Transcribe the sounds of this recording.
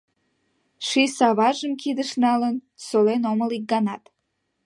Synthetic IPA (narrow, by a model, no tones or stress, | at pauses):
ʂisɑvɑʒɨmkʲʰid̪ɨʂnɑlənsolenoməlik̚ɡɑnɑt̪